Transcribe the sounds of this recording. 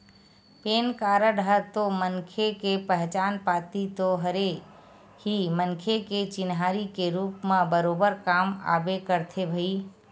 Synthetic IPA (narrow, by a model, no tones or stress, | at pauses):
peːnkaːɾəɖʱəɾt̪omənkʰekepɛɦt͡ʃaːnpaːt̪it̪oɦəɾe | himənkʰeket͡ʃɪnɦaːɾikeɾuːpmãbəɾoːbəɾkaːma̰ːbekəɾt̪ʰebʱəi